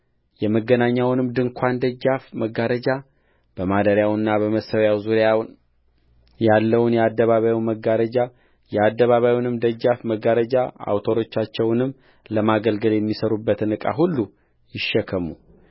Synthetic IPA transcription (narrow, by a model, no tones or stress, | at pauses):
jɛməɡːənaɲːawnɨmd̪ɨŋkʷʰand̪əd͡ʒːafməɡaɾəd͡ʒa | b̥əmad̪əɾjawɨnːabəməsəwjawzuɾjawn | jalːəwunjɛad̪ːəβaβajwməɡːaɾəd͡ʒa | jɛad̪ːəβaβajwnɨmd̪əd͡ʒːafməɡaɾəd͡ʒaa̰wt̪ʰo̞ɾo̞t͡ʃːat͡ʃːɛwnɨmː | ləmaɡəlɡəljɛmːisəɾubːət̪ɨnɨkʼa̰ɦulːu | jɪʃːɛkʰːəmu